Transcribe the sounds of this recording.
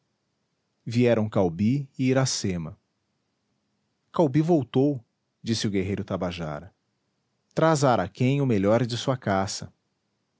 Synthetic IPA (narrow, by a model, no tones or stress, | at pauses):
viɛɾɐ̃w̃kawbiɪiɾasẽmɐ | kawbivowt̪ow | d͡ʒisɪʊɡeɦejɾʊt̪abaʒa̰ɾɐ | t̪ɾazaɾakẽj̃ʊmeʎɔɾd͡ʒɪsuɐkasɐ